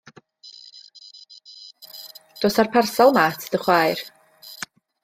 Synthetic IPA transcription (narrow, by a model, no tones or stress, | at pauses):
d̥oːsarpʰarsalˠmaːtʰd̥əχwajr